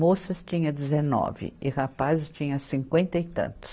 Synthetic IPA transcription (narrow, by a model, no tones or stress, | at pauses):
mosɐst͡ʃĩɲɐd͡ʒɪzenɔ̰vɪ̰ɪhapazɪst͡ʃĩɲɐsĩŋkwẽnt̪ɐit̪ɐ̰̃nt̪ʊ̥s